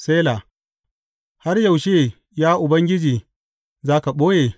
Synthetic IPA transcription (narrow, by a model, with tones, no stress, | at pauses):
seː˦la˨ | ha˦rja˨wʃeː˦˨ | jaː˦ʔʊ˨bɐ˦ŋɡʲɪ˦d͡ʒiː˨ | zaː˦ka˨ɓoː˦jeː˨